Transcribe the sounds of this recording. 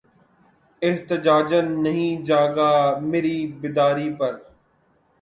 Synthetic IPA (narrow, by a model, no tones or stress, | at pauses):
ɪɦt̪ɪd͡ʒaːd͡ʒənːɐɦĩːd͡ʒaːɡaːmeːɾiːbɪd̪aːɾiːpɐɾ